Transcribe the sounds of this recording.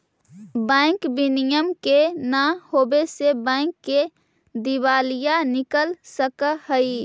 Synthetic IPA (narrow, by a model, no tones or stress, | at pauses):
bɛ̃ːŋkbɪnɪjəmkenahoːbesebɛ̃ːŋkːe | d̪ɪʋaːlijanɪkəlsəkhəi